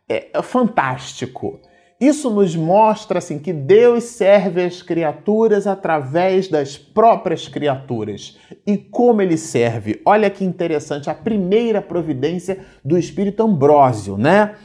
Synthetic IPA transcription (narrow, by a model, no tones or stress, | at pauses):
ɛ̰ɛfɐ̃nt̪aʃt͡ʃikʰʊ̰ | isʊnʊzmɔʃt̪ɾɐasĩkɪd̪ewssɛɾvɪɐskɾiat̪uɾɐzat̪ɾavɛzd̪ɐspɾɔpɾiɐskɾiat̪uɾɐs | ɪkõmʊelɪsɛɾvɪ̰ɔʎɐkɪĩnt̪eɾesɐ̃nt͡ʃɪɐpɾimejɾɐpɾovid̪ẽsiɐ | d̪ʊɪʃpiɾit̪ʊɐ̃mbɾɔzjʊ̰nɛ